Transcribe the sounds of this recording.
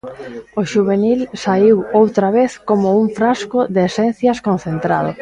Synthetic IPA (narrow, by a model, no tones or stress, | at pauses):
oʃuβenilsaiwowt̪ɾaβeθkomʊuɱfɾaskʊdeːsɛn̟θjɐskon̟θent̪ɾað̞ʊ̰